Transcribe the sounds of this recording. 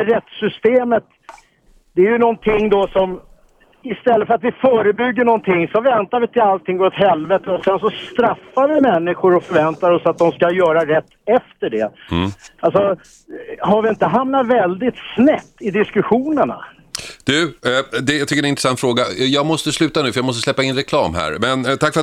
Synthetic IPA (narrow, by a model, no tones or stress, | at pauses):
ɾɛt̪sʏst̪eːmət̪ | d̪ɛæɾjɵnɔnt̪ʰɪŋːd̪ɔsɔm | ɪst̪ɛlːətfœɾat̪vɪfœːɾəbʏɡːəɳɔnt̪ʰɪŋːsɔvɛnt̪aɾvɪt̪ʰɪlalt̪ʰɪŋːvɔt̪ɦɛlvɛt̪əɔsɛns̬ɔst̪ɾafːavɪmɛnːɪɧʊɾɔfœɾvɛnt̪aɾɔsat̪̚d̪ɔmskajœːɾaɾɛt̪ʰːɛft̪əɖɛ̰ | alsɔ | ɦaɾvɪɪnt̪əɦamnat̪vɛld̪ɪt̪snɛpt̪ːɪd̪ɪskɵɧuːnəɳa̰ | d̪̥ɵd̪ɛjɑt̪ʏkːəɾɛnɪnt̪ɾɛsant̪fɾoːɡajɑːɡmɔst̪əslʉ̟ːt̪anʉ̟ːfœɾjɑamɔst̪əslɛpːaɪnɾɛkʰlɑːmɦæ̰ːɾmɛnt̪ʰakfœɾ